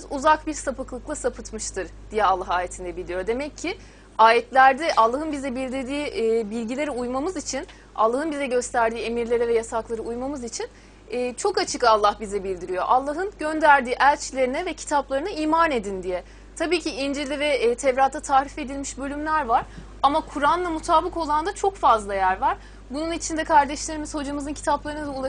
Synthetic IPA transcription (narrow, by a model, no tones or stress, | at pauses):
uzak̚biɾsapɯklˠɯklˠasapʰɯt̪mɯʃt̪ʰɯɾd̪̥ijɛalˠːaɦaːjet̪ʰind̪ɛbilʲijo̞d̪e̞mɛcʰːi | aːjɛt̪lʲæɾd̪ɛʔalˠːaɦɯnbizɛbilʲd̪iɾd̪iːbilʲɟilʲe̞ɾiujmamɯzit͡ʃʰin | a̰lˠːaɦɯnbizɛɟø̞st̪ʰæɾd̪iːe̞miɾlʲe̞ɾɛvɛjasaklˠaɾɯujmamɯzit͡ʃʰin | ɛːt͡ʃʰo̞kat͡ʃʰɯkalˠːahbizɛbilʲd̪iɾijo̞̰ʔalˠːaɦɯnɟønd̪æɾd̪iːʔælʲt͡ʃʰlʲe̞ɾinɛvɛcʰi̥t̪ʰaplˠaɾɯnaiːmaːne̞d̪ind̪ijɛ | t̪ʰabiːciind͡ʒiɾlʲivɛt̪ʰɛvɾat̪ʰːat̪ʰaːɾife̞d̪ilʲmiʃbø̞lʲymlʲæɾvaɾ̥ | amakʰuɾanlˠamut̪ʰaːbɯko̞lˠand̪at͡ʃʰo̞kfazlˠajæɾvaɾ̥ | bununit͡ʃʰind̪ɛkʰaɾd̪ɛʃlʲe̞ɾimizho̞d͡ʒamɯzɯncʰi̥t̪ʰaplˠaɾɯnɯd̪aolˠa